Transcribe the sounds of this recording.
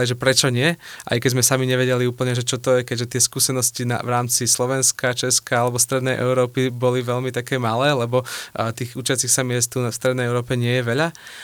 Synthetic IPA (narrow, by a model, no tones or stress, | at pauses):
liʒɛpɾɛt͡ʃɔɲɪɛʔa̰jkɛɟzmɛsamiɲɛʋɛɟɛliuːpl̩ɲɛʒɛt͡ʃɔt̪ɔjɛkɛɟʒɛt̪ɪɛskuːsɛnɔscina̰ʋɾaːmt͡sislɔʋɛnskat͡ʃɛskaalɛbɔst̪ɾɛd̪nɛjʔɛʊɾɔːpibɔliʋɛʎmit̪akɛːmalɛːlɛbɔt̪iːɣut͡ʃɪat͡sixsamɪɛst̪unafst̪ɾɛd̪nɛjɛʊɾɔːpɛɲɪɛjɛʋɛʎa